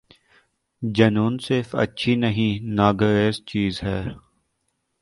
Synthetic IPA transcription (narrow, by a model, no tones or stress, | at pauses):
d͡ʒɐnuːnsɪɾfə̰tːʃʰinəɦĩnaːɡəɾeːzt͡ʃiːzɦɛː